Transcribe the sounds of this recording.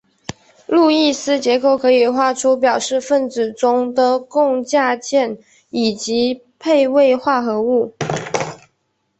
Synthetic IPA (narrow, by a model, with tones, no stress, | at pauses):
lu˥˧i˥˧sɹ̩˥t͡ɕjɛ˧˥ko˨˩ʊkʰɤ˧˥i˨˩xwa˥˧ʈ͡ʂʰu˥p̬jɑ˨˩ʊʂɻ̩˥˧fə˥˩nt͡sɹ̩˨˩ʈ͡ʂʊ˥ŋd̪ə˨kʊ˥˧ŋt͡ɕja˥˧t͡ɕjɛ˥˩n | i˨˩t͡ɕi˧˥ | pʰe˥˧ɪwe˥˧ɪxwa˥˩xɤ˧˥u˥˩